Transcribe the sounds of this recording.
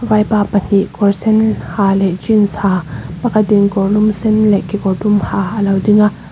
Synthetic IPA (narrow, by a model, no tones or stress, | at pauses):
vajpapən̥iʔkɔɹsɛnhaːlɛʔt͡ʃinsaːpɐkʰɐt̪̚dinkɔrlumsɛnlɛkikɔɹdumhaʔɐlɐwdiŋaʔ